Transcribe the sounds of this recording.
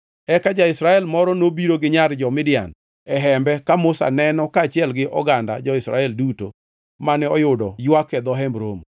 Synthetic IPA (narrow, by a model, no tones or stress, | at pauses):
ɛkad͡ʒaɪsɾaɛlmɔɾɔnobiɾoɡɪɲaɾd͡ʒɔmɪdɪa̰n | ɛɦɛmbɛkamʊsa̰nɛnɔkaːt͡ʃɛlɡɪʔɔɡanda̰d͡ʒɔɪsɾa̰ɛlduto̰ | manɛɔjʊdɔjwakɛd̪ɔɦɛmbɾom